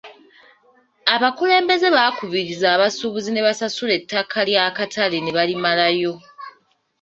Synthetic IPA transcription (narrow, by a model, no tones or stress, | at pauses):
aβakule̞ːmbe̞ze̞βakuβiɾizaːβasuβuzine̞βasasule̞tːakʰaljaːkatʰalene̞βalimalajo̞